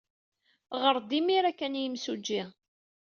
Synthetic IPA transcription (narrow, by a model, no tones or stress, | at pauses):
ʁəɾˤd̪imiɾækːænjəmsud͡ʒːi